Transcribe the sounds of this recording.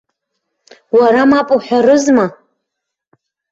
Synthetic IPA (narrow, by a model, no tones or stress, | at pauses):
waɾamapʼuħʷᶣarɨzma